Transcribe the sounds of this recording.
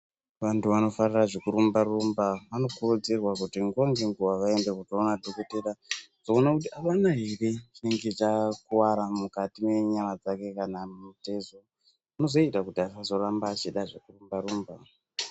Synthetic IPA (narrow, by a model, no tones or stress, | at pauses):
ʋantuʋano̞fariraʐekuɾumbarumbaʋano̞kurud͡zirwakutiŋɡaŋɡeŋɡuʋaʋae̞ndekutoonadʱoko̞teɾad͡zoːnakutiaʋanaɦirit͡ʃine̞ŋɡet͡ʃakuwaɾamukatime̞ɲamad͡zake̞kanammute̞zo | ano̞zo̞itakutiasazo̞rambaːt͡ʃiɗaʐekurumbaɾuːmba